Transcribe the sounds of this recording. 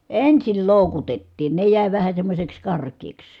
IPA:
ensil loˑukutetːiːn ne jæˑi ʋæhæ semːosʲeks kɑrkˑeːks

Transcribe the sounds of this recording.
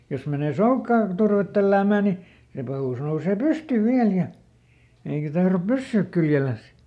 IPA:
jos meneˑ soukːɑː turʋet tælːæːmæˑ ni se pɑhuˑs nouseː pysty ʋiæl jɑ eikæ tɑhrop pysːyːk kyljelæs

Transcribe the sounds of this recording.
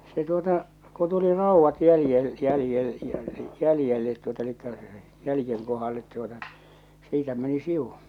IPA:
se tuotɑ ko tuli rɑˑuʋːɑt jæljel jæljel jælĭjelːet tuotɑ elikːæ jælĭjeŋ kohɑlːet tuotɑ siːtæ meni siw̥u

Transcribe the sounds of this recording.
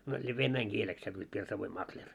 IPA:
no se ʋenːæiŋ kieleks sɑnːoit pirsɑʋoim mɑklʲer

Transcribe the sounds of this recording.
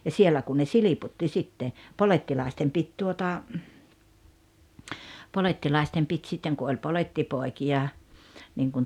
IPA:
jɑ sielːæ kun ne siliputːi sitːe poletːilɑˑestem pit tuotɑ poletːilɑˑestem pit sitːeŋ ku olʲ polʲetːipoˑikij̆ɑ niŋkun

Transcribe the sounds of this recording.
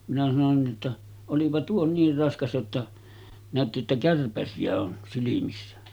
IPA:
minæ sɑnon ni ʔotːɑ olipɑ tuo niːr rɑskɑs jotːɑ næˑøtːi jotːɑ kærpæsiæ on silimisːæ

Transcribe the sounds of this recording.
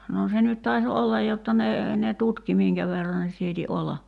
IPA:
noː se nyt tɑi̞s olːɑj jotːɑ ne ne tutki miːŋkæ ʋerːɑ ne siːti olːɑ

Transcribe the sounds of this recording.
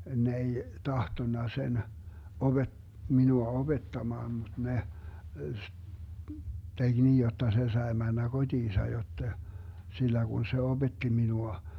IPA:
ne ei tɑhtonːɑ sen ob̥e minuɑ ob̥etːɑmɑːn mud̥ ne teɡ̊ niːj jotːɑ se sɑe mænːæ kod̥iːsɑ jotːe silːæ ɡ̊un se ob̥etːi minuɑ

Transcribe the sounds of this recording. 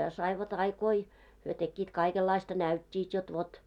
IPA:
sɑiʋɑt ɑikoi hyø tekːiːt kɑikelːɑistɑ næytʲːiːt jot ʋot

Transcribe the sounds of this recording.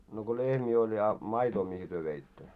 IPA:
no ko lehmiː olʲ jɑ mɑitoː mihi tyø ʋeitːø

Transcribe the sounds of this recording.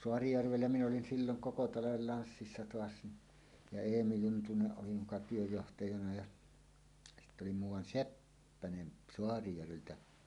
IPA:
soɑrijærʋelːæ min olin silːoŋ koko tɑlɑʋel lɑnsːisːɑ toɑs ni jɑ eːmi juntuneʔ ʔoli mukɑ tyøjːohtɑjɑnɑ jɑ sitː oli muːwˑɑn sepːænen soɑrijærʋeltæ

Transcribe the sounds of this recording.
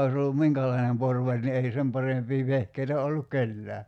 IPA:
oĭs olːum miŋkælɑinem porʋɑlʲ ni ei sem pɑrempiː ʋehkeitæ olːuk̆ kelːæː

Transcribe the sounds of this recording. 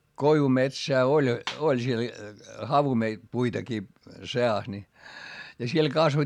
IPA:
koiʋumetsæː olʲ olʲ siel hɑʋume puitɑkiː seɑs ni jɑ siel kɑsʋoĭ

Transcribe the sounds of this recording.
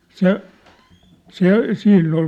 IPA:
se se siːnː ol

